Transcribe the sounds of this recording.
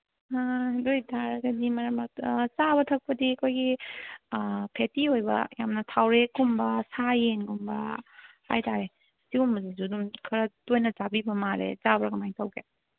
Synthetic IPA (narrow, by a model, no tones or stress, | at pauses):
adojtʰaɾɐɡɐdimɐɾɐmɐt͡ʃabɐtʰɐk̚pɐdiɐkʰojɡi | pʰetiojbɐ̰jamnɐtʰawɾekumbɐsajenɡumbɐha̰jtaɾe | siumbɐzizudumkʰɐɾɐdojnɐzabibɐmaɾḛzabɾɐɡɐmajtʰawɡe